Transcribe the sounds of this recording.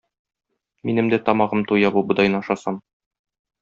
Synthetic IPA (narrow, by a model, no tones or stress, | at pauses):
minɘ̆md̪æt̪ɒmɑʁɤmt̪ujɑbubɤ̆d̪ɑjnɑʃɑsɑm